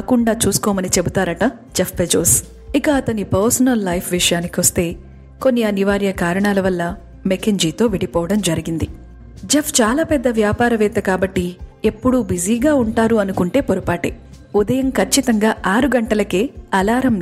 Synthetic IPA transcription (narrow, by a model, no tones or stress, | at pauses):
kuɳɖaːt͡ʃuːsu̥kɔːmɐnit͡ʃe̞but̪aːɾɐʈɐ | d͡ʒepʰped͡ʒo̰ːs | ikɐːt̪ɐnipɐɾsɐnɐlːɐjpʰʋiʂɐjaːnikiʋost̪e̞ː | ko̞nːiɐniʋaːɾjɐkaːɾɐɳaːlɐʋɐlːɐ | mekeɲd͡ʒiːt̪o̞ːʋiɽipɔːʋɐɽɐmd͡ʒɐɾiɡind̪i | d͡ʒepʰt͡ʃaːlaːpɛd̪ːɐʋjaːpaːɾɐʋɛːt̪ɐkaːbɐʈːiepːuɽubid͡ʒiːɡaːuɳʈaːɾuɐnukuɳʈe̞ːpoɾɐpaːʈḛ | ud̪ɐjɐmkʰɐt͡ʃːit̪ɐŋɡaːʔaːɾuɡɐɳʈɐlɐkeːɐlaːɾɐm